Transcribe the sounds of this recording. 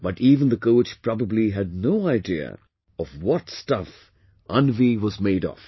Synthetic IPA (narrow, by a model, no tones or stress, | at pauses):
b̥ʌtiːvə̃nd̪əkoʊt͡ʃpɹ̥ɑbəbliɦɨd̚ⁿnoʊaɪdiə̰ | ʌvwʌtstʌf | ʔʌ̃nviwʌzmeɪɾɔ̰f